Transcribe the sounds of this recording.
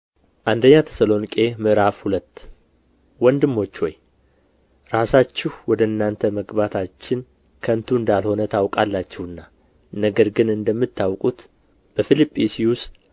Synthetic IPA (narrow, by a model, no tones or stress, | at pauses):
ʔand̪əɲːat̪ʰe̥səlo̞nikʼe̞mɨʔɾafhulət̪ː | wɔnd̪ɨmːo̞t͡ʃːwoj | ɾasat͡ʃːɛhwɔd̪əɨnːant̪ʰəməɡbat̪ʰat͡ʃːɪn | kʰənt̪ʰuɨnd̪alho̞nət̪ʰawkʼalːat͡ʃːɛhɨnːa | nəɡəɾɡɨnɨnd̪əmːɨt̪ːawkʼut̪ | b̥əfilipʼːisiwʊs